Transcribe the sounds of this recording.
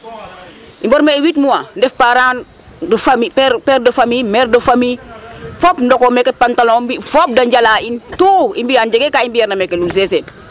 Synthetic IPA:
ʔimbɔɾmewitmuwandɛfpaɾaːn | dfamipɛpɛɾdofamimɛɾdofamifɔpndɔkomɛkːɛpantalɔbifɔp̚daɲɟalaːintuːimbijand͡ʒɐɡekaimbijaɾnamɛkːelulsɛsen

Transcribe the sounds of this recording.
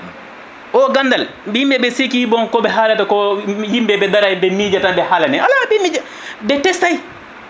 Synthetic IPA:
ʔɔɡandalbiimbɛɓɛsikibɔnkɔɓɛɦaːlatakɔjimbɛbɛdaɾajbɛmid͡ʒatabɛhalanɛʔalabɛmid͡ʒa | bɛtɛstaj

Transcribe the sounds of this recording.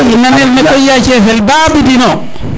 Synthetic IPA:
inːanɛɾmɛbɔjːat͡ʃɛfɛlbaːbidinɔ

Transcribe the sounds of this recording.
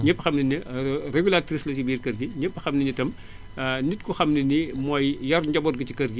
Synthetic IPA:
ɲəpːxɐmninireɡulatɾislɐcibiːrkɐɾɡiɲəpːɐxɐmninitɐm | nitkuxɐmninimɔːjjɐrɟɐbɔːt̚ɡɐcikɐrɡi

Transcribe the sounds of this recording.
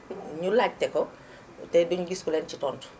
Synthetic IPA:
ɲulaːɟ̚tɛkɔ | tɛbiɲuɡiskulɛnt͡ʃitɔːntu̥

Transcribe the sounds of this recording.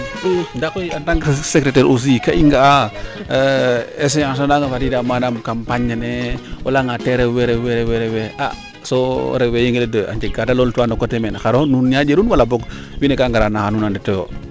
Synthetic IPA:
udakoataŋsekɾeteɾus̬ikaʔiŋɡaa | es̬ejaŋs̬onaŋafadidamanamkampaɲaneo̰laŋateɾeweɾeweɾeweɾeweʔa̰ | soɾewejiŋɡiledəa̰ɲd͡ʒeɡadaloltuanokotemenxaɾonunjad͡ʒeɾunwalabok | winekaŋɡaɾanaxanunandetojo̰

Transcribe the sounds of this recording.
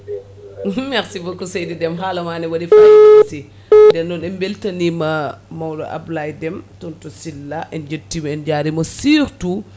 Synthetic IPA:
maxsibɔkɔsɛjdidɛmɦalɐmaːnɛwɐdifajasi | dɛnːɔnɛmbɛltɐnimamawdɔ̰ʔa̰blajdɛmtuntusilːaʔɛnd͡ʒətːimɛnd͡ʒaːɾimɐsiːɾtu

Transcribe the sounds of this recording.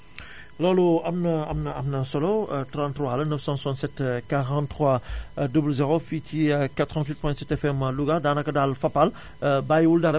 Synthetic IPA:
lɔluɐmnɐɐ̰mnɐɐmnɐsɔlotɾɑ̃nt̪rwalɐnəfsɑ̃suãntsɛtkaʁɑ̃ntːʁwadublzeʁofitʰikat̪ʁɑ̃nt̪wit̪̚pwɛ̃sɛtɛfɛmluɡadaːnɐkːɐdalfapal | bajwuldaɾɐ

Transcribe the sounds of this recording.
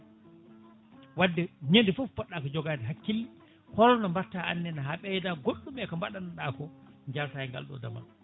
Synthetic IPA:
wadːɛɲendifufpɔɗːakɔd͡ʒɔɡaːdɛɦakːilː | hɔɾɔnambaɾtaanːɛnaɦaɓɛjdaɡoɗːumɓɛkɔmbaɗanaɗaːkɔɲd͡ʒaɾtajɛŋɡa̰lɗɔ̰da̰ma̰n

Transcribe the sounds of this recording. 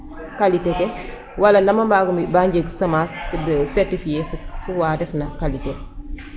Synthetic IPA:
kalitekɛ | wɐlɐnɐmɐmbaːɡumibaɲɟeɡsɐmasdəsɛɾtifijeffuwaːdɛfnɐkalite

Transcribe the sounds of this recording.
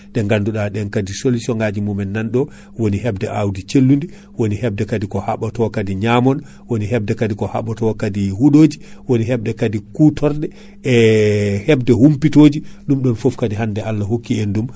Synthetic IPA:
ɗɛŋɡanduɗaɗɛnkadisolisɔŋɡad͡ʒimumɛnːanɗɔ | wonihɛbdɛʔawdit͡ʃelːundi | wonihɛb̚dɛkadikɔhaɓɔtɔkadiɲamɔn | woniɦɛb̚dɛkadikɔha̰ɓɔtɔkadihuɗod͡ʒiwoniɦɛb̚dɛkadikutʰɔɾdɛ | ɛhɛbdɛhumpitoːd͡ʒiɗumɗɔnfofkadiɦandɛʔalːaɦokːiendum

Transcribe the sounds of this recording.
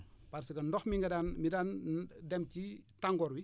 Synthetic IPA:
paɾsiɡɐndɔxmiŋɡɐdaːnmidaːndɛmcitaŋɡɔːɾwi

